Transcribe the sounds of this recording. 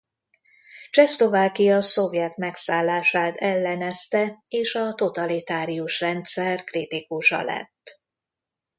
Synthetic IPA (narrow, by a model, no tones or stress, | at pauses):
t͡ʃɛslo̞vaːkijɒso̞vjɛt̪mɛksaːlːaːʃaːt̪ʰɛlːɛnɛst̪ɛeːʃɒt̪o̞t̪ɒlit̪aːɾijuʃrɛnt̪sɛrkrit̪ikuʃɒ̰lɛ̰t̪ː